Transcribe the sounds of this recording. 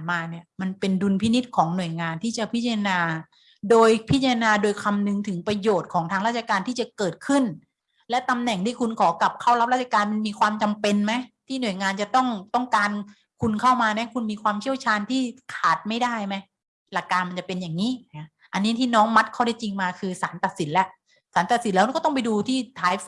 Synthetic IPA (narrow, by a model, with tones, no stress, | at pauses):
maː˧ni˥˩ɐma˧npe˧ndu˧npʰi˦˥ni˦˥t̪̚kʰɔː˩˦ŋnu˨˩əjŋaː˧nt̪ʰiː˥˩t͡ɕa˨˩pʰi˦˥t͡ɕa˧a˧naː˧ | doː˧jpʰi˦˥t̪̚t͡ɕa˧ɾa˧naː˧doː˧jkʰa˧mnɯ˧ŋt̪ʰɯ˩˦ŋpɾa˧joː˨˩t̪̚kʰɔː˩˦ŋt̪ʰa˧ŋɾaː˥˩t̪̚t͡ɕa˧˩kaː˧nt̪ʰiː˥˩t͡ɕa˨˩kɤː˨˩t̪̚kʰɯ˥˩n | lɛ˦˥t̪a˧mnɛ˨˩ŋt̪ʰiː˥˩kʰu˧nkʰɔː˩˦ka˨˩p̚kʰa˥˩wɾa˦˥p̚a˦˥˩t̚t͡ɕʰa˧kaː˧nma˧nmiː˧kʰwaː˧mt͡ɕa˧mpe˧nma˦˥jt̪ʰiː˥˩nu˨˩əjŋaː˧nt͡ɕa˨˩t̪ɔ˥˩ŋt̪ɔ˥˩ŋkaː˧n | kʰu˧nkʰa˥˩wmaː˧na˦˥kʰu˧nmiː˧kʰwaː˧mt͡ɕʰi˥˩əwt͡ɕʰaː˧nt̪ʰiː˥˩kʰaː˨˩t̪̚ma˥˩jdaː˥˩jma˦˥j | la˨˩kːaː˧nma˧nt͡ɕa˨˩pe˧njaː˨˩ŋːiː˦˥ | ʔa˧nːiː˦˥t̪ʰiː˥˩nɔː˦˥ŋma˦˥t̪̚kʰa˥˩wda˥˩jt͡ɕi˧ŋmaː˧kʰɯː˧saː˩˦nt̪a˨˩t̪̚si˩˦nlɛ˦˥ʔ | saː˨˩˦nt̪a˨˩t̪̚si˨˦nlɛː˦˥˦kɔː˥˩t̪ɔ˥˩ŋp̬a˧jduː˧t̪ʰiː˥˩t̪ʰaː˨˦j